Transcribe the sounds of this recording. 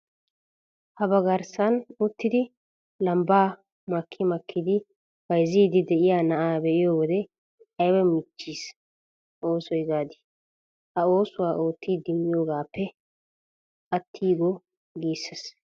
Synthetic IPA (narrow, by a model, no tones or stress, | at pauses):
hɐbɐɡɐɾsɐnʊt̪ːɪd̪ɪ | lɐmbaː | mɐkʰːɪmɐkʰːɪd̪ɪ | wɐjziːd̪ɪd̪ɛʔɪjaːnɐʔaːbɛʔɪjoːwɔd̪ɛ | ɐjwɛmɪt͡ʃːiːs | ʔo̞ːsɔjɡaːd̪ɪ̥ | hɐo̞ːsʊwaːʔo̞ːt̪ːiːd̪ɪmːɪjoːɡaːpːɛ | ɐt̪ʰːiːɡɔ | ɡiːsːɛs